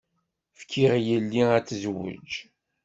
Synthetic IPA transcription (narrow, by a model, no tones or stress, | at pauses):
fkʰːiʁjəlːiæt͡sːzwə̰d͡ʒ